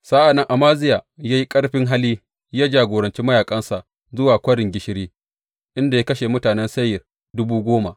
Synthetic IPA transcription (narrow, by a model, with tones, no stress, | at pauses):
sa˦ʔa˨nːɐ˦ŋʔa˨maː˦zɪ˦jaː˨jaː˦ji˦kʼɐ˦ɽɸɪ˦ŋɦa˦liː˦ | jaː˦d͡ʒaː˨ɡʷoː˨ɾɐ˨nt͡ʃi˦mɐ˦jaː˨kʼɐ˦nsa˨ʔ | zʊ˦waː˨kʷɐ˦ɽɪ˨ŋɡʲɪ˦ʃɪ˦ɽiː˦ | ʔɪ˦nda˨ja˦kɐ˦ʃeː˨mʊ˦taː˨nɛ˦nsɐ˦jɐ˨r | dʊ˦buː˦ɡʷoː˦ma˨ʔ